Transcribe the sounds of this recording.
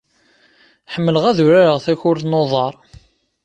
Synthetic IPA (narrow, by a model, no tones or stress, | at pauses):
ħəmːələʁæðʊɾæɾəʁθæçʊɾθnoðˤɑɾˤ